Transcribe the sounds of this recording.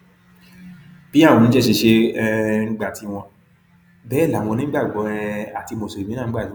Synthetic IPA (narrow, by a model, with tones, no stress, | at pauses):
b̥i˦a˦˨w̃ɔ̃˨˧nĩ˨˦ɛ˦˨ʃe˧ʃe˧ŋ̩˦ɡ͡ba˦˨ti˧w̃ɔ̃˧ | bɛ˨˦˨la˨˦w̃ɔ̃˧nĩ˦ɡ͡ba˦˨ɡ͡bɔ˨˦˧a˨ti˧mo˧˨so˨ɾi˨mĩ˦ãː˦˨˦a˦˨˦